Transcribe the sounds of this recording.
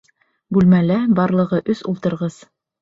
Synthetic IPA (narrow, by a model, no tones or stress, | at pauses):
bʉlmælæbɑɾlˠɤ̆ʁɤʔɵsulˠt̪ɤ̆ɾʁɤz̥